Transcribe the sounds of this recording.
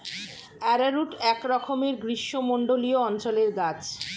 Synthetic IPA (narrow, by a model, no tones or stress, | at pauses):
ɛɾaɾuʈɛkɾɔkʰomeɾɡɾiʃːomoɳɖolioɔnt͡ɕoleɾɡat͡ɕ